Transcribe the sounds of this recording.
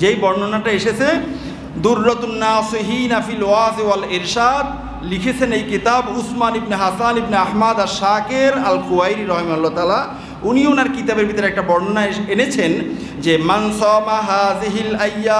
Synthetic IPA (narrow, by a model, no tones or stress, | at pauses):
d͡ʑejbɔɾnonaʈaeʃet͡ɕʰe | d̪uɾːat̪unːaːsiɦiːnafilwaːzewaliɾʃad̪̚ | likʰet͡ɕʰenejkit̪abusmanibneɦasanibneahmad̪aɾʃakeɾɐlkuajɾiɾɔɦemalːat̪ala | uniunaɾkit̪abeɾbʱit̪oɾeɛk̚ʈabɔɾnonaenet͡ɕʰen | d͡ʑemansɔːmaɦaːziɦilɐjːa